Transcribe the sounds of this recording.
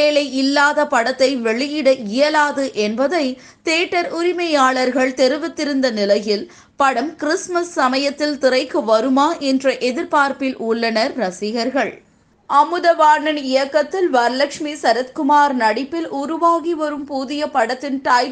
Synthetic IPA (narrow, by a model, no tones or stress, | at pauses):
eːlɐɪɪlːaːðɐpɐɽɐt̪ːɐɪʋɛɭɪjɪɽɐʔɪjɐlaːðɯʔɛnbɐðɐɪ | t̪eːʈːɐɾʊɾɪmɐjaːɭɐɾɣɐɭt̪ɛɾɯʋɯt̪ːɪɾɯnd̪ɐnɪlɐjɪl | pɐɽɐmkɪɾɪsmɐsːɐmɐjɐt̪ːɪlt̪ɪrɐɪkːɯʋɐɾɯmaːʔɛndrɐʔɛðɪɾpaːɾpɪlʔʊɭːɐnɐɾːɐsɪɣɐɾɣɐɭ | ʔɐmɯðɐʋaːnɐnɪjɐkːɐt̪ːɪlʋɐɾlɐkʂmisɐɾɐt̪kʊmaːɾnɐɽɪpːɪlʔʊɾʊʋaːɣiʋɐɾɯmpuːðɪjɐpɐɽɐt̪ːɪnʈ̪aːj